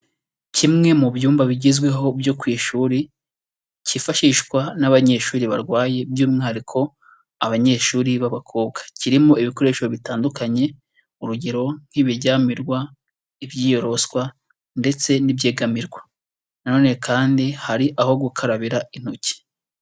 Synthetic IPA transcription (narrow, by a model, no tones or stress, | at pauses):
cʰimŋe̞mubjuːmbaβiɟizɡwe̞ɦo̞bjo̞kwiːʃuːɾi | cifaʃiːʃkwanaβaɲe̞ːʃuːɾiβa̰ɾɡwaːje̞bjuːmŋaɾikʰo̞ | aβaɲe̞ːʃuːɾiβaβakʰoːbɡḁciɾimoiβiko̞ɾe̞ːʃoβitaːndukaɲe̞ | uɾuɟeɾo̞ŋ̥hiβiɾɟaːmiɾɡwa | iβjiːjo̞ɾo̞skwa | nde̞t͡se̞nibjeːɡamiɾɡwḁ | nano̞ːne̞kʰaːndihaɾiʔaho̞ɡukʰaɾaβiɾain̥oci̥